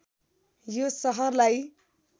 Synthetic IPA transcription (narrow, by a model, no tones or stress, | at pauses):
josʌɦʌrlaj